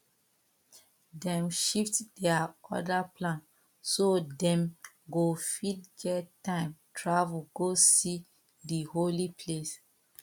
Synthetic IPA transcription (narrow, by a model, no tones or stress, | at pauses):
dɛ̃mʃiftdɛaɔ̰daplãn | sodɛ̃m | ɡofidɡɛtːãɪ̃mtʰɹavuɡosi | diɦolipʰles